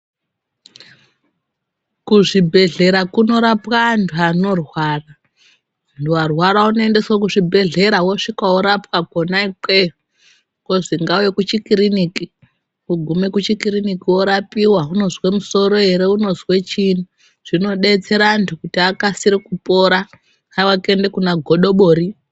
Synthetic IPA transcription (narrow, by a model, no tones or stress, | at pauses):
kuʐibʱe̞ɮe̞ɾakuno̞ɾapwantʰuano̞rwaːra | ntuarwaɾaunoende̞swak̬uʐibʱe̞ɮe̞ɾawoʂikwaoɾapwakonaik͡pe | koʐiŋɡauwekut͡ʃikiɾiniki | uɡʱume̞kut͡ʃikirinikiwo̞ɾapiwaɦuno̞zwe̞muso̞ɾo̞e̞ɾe̞uno̞zwe̞t͡ʃini | ʐ̥ino̞ɗe̞t͡se̞ɾantʰukutiakasiɾikupo̞ɾa | awakendekunaɡʱo̞ɗo̞ɓoːɾi